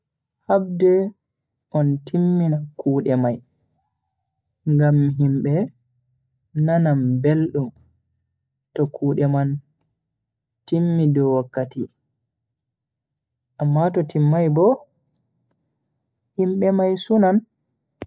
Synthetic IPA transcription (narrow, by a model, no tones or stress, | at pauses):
hab̚dɛ | ʔɔntʰimːinakuːɗɛmaj | ŋɡamɦimɓɛ | nanambelɗum | tɔkʰuːɗɛman | timːidɔwakːati | ʔamːatɔtimːajbɔ | himɓɛmajsunan